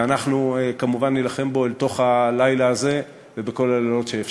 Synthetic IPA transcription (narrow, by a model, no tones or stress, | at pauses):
anaχnuekamuvanːilaχe̞mbo̞elt̪o̞χalajlaːze̞ | vebeko̞lalalo̞tʃeef